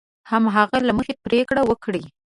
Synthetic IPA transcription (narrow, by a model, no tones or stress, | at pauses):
hamɦaɣalaməxepɾekɽawəkɽi